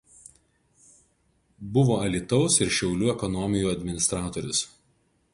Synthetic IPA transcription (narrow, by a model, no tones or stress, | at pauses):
bʊʋoːɐlʲit̪ɒʊsɪɾʃʲɛʊlʲuːɛkɔnɔmʲɪjuːɐd̪ʲmʲɪnʲɪst̪ɾɑːt̪oːɾʲʊs